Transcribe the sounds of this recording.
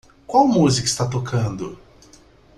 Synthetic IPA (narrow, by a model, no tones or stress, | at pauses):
kwawmuzikʊi̥st̪at̪okʰɐ̃nd̪ʊ